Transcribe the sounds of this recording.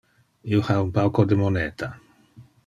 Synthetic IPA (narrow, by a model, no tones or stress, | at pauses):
iohaumpawkod̪emoneːt̪a